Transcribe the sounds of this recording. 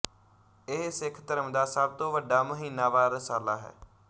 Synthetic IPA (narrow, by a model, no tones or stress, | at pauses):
ɪɦsɪkʰt̪əɾəmd̪aːsəb̚t̪õːʋəɖaːməɦiːnːaːʋaːɾəsaːlaːɦɛ̰ː